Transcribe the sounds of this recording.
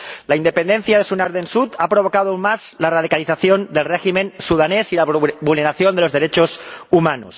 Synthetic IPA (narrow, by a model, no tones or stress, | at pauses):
laind̪e̞pend̪en̟θjaðe̞sunaɾðensut̪apɾo̞β̞o̞kað̞oaunmazlarað̞ikaliθaθjond̪elreximẽnsuðanesilaβulneɾaθjond̪elo̞zðe̞ɾet͡ʃosumano̰s